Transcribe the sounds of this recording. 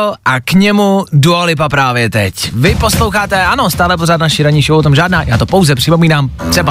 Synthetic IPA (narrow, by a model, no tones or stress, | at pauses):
ʔakɲɛmuduolɪpapɾaːvjɛt̪ɛcvɪpo̞slowxaːt̪ɛano̞st̪aːlɛp̬oraːt̪naʃiɾaɲiʃwot̪omʒaːdnaːjaːt̪opowzɛpr̥ɪpomiːnaːmt̪r̥ɛba